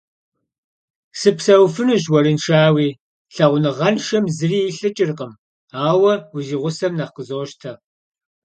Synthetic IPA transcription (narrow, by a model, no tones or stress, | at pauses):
sɨpsɐwfɨnɨʑwɐɾɨnʂaːwiː | ɬɐʁʷʊnɨʁɐnʃɐmzɨriːɬɨt͡ʃʼɪrqəm | aːwɐwʊʒiʁʷʊsɐmnɐqəzoːʃtʰɐ